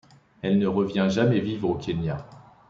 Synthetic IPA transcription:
ɛlnəʁəvjɛ̃ʒamɛvivʁokʲʰenja

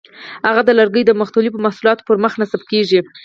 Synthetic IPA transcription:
haɣad̪əlaɾɡəjd̪əmaxt̪ulipəmahsulɑt̪o̥pəɾməxnasab̚keʒi

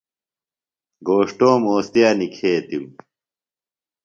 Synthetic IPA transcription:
ɡoːʂʈoːmoːst̪jaːnikʰeːt̪im

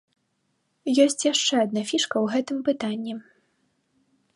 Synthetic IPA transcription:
jɔsʲt͡sʲjaʂt͡ʂɛad̪̚nafʲiʂkɐwɣɛt̪ɨmpɨt̪anʲːi

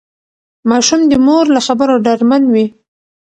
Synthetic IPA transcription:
mɑʃumd̪əmoɾlaxabəɾoɖaɽmanwi

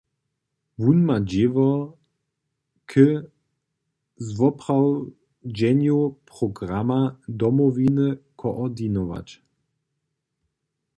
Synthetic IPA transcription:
vunmad͡ʑevɔ | kʰə | zvɔpʁaw | d͡ʑɛnjopʁɔɡʁamad̪ɔmɔvinəkʰɔʔɔd̪inɔva̰t͡ɕ

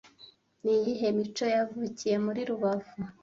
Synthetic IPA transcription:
nijiɦe̞mit͡ʃo̞javucije̞muɾiɾuβavu

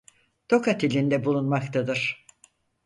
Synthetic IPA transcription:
t̪o̞kat̪ʰilʲind̪ɛbulˠunmakt̪ʰad̪ɯɾ̥

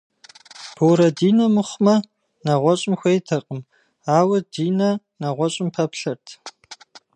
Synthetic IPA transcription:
b̥ʰoːɾɐdiːnɐmɨχʷmɐ | naʁʷɔɕʼɪmxʷejtʰɐqʼəm | aːwɐdiːnɐ | naʁʷɔɕʼɪmpʰɐpɬɐrtʰ

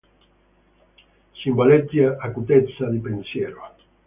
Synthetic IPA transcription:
simbalet̪jaakut̪et̪saðipensjeɾoa

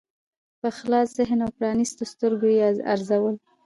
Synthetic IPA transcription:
pəxlɑsz̥ɪɦnawpɾɑnist̪ost̪əɾɡojea̰ɾzawəl

